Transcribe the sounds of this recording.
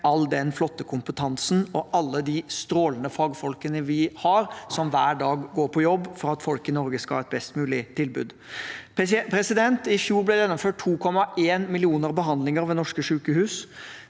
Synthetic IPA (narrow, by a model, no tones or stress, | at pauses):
ɑld̪ɛnflɔt̪ːəkʰʊmpət̪ʰɑnsn̩ɔʔɑlːəd̪ist̪ɾoːlənəfɑːɡfɔlkənəʋɪhɑɾsɔmʋæːɖɑːɡɡoːɾpʰɔjɔbːfɔɾɑt̪fɔlkɪnɔɾɡəskɑlhɑːɛt̪bɛst̪mʉːlɪt̪ʰɪlbʉ̰ːd̪ | pʰɾɛsɪd̪ɛnt̪ɪfjuːɾblɛjɛnɔmføːʈ̚tʰːuːkʰɔmɑʔeːnmɪlɪuːnəɾbəɦɑnd̪lɪŋəɾʋɛnɔʂkəʂʉːkəhʉːs